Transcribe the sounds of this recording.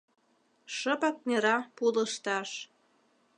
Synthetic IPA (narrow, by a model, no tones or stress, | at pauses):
ʃəpɑk̚nʲeɾɑpuləʃt̪ɑʃ